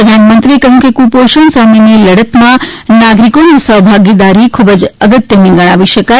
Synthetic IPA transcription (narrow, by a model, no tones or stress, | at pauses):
əd̪ʱanmənt̪ɾiekəɦjũkekũpoʃəɳsameniləɽət̪mãnaɡɾikonisəɦbʱaɡid̪aɾikʰubəd͡ʒəɡət̪jənẽɡəɽ̃aʋiʃəka